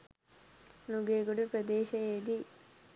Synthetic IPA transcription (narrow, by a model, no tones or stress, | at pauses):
nuɡeːɡuɽupɾɐd̪eːɕɐeːd̪i